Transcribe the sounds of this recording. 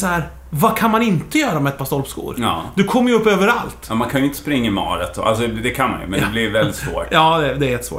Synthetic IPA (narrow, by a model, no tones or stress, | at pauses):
shæːɾ | vakʰanmanɪnt̪əjœːɾamɛɛt̪̚pɑːst̪ɔlpskṵːɾɑːd̪ɵkʰɔmːjɵɵpːøːvəɾalt̪ɑmankʰanjʏɪnt̪ə̥spɾɪŋːaɪmɑ̰ːɾət̪ɔ̰ʔa̰lsɔɛd̪ɛkʰanma̰njɵ̰mɛnd̪ɛblɪvɛld̪ɪt̪svo̰ːʈjɑːd̪ɛd̪ɛɾɛt̪svo̰ː